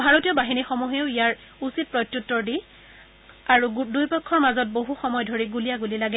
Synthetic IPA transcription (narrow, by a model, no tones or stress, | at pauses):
bʱaɹotijɔbaɦinixɔmuɦeʊijaɹ | usit̚pɹɔjtjutːɔɹdi | aɹudujpɔkʰːɔɹmazɔt̚boɦuxɔmɔjdʱoɹiɡulijaɡulilaɡɛ